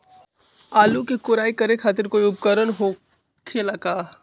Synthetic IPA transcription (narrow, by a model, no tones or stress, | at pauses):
aːlukekʊɾaːikəɾekʰaːt̪̬ɪɾkoːiʊp̚kəɾənɦo | kʰelakaː